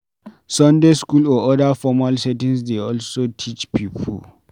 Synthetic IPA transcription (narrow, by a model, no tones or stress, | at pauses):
sɔndeskulɔʔɔdafɔmalsɛtĩnsdeɔlsotʰit͡ʃpiːpʰɔ̰